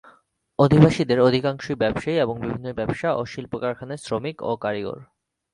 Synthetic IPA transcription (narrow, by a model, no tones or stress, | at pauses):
od̪ʱibaʃid̪eɾod̪ʱikaŋʃoibɛbʃaieboŋbibʱinːobɛbʃaʔo̰ʃilpɾokaɾkʰanesɾomiko̰kaɾiɡo̰ɾ